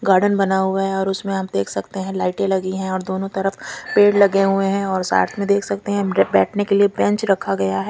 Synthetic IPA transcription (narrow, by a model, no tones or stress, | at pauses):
ɡaːɾɖənbɐnaɦuaɦɛɔːɾʊsmẽaap̚d̪eːkʰsɐkt̪eɦɛ̃laːɪʈẽlɐɡiɦɛ̃ɔːɾd̪oːnõt̪ɐɾəfpeːɽlɐɡeɦueɦɛ̃ɔːɾsa̰ːɾt̪ʰmẽd̪eːkʰsɐk̚t̪eɦɛ̃bɛːʈʰnekeliebɛ̃ɲt͡ʃɾɐkʰaɡɐjaɦɛː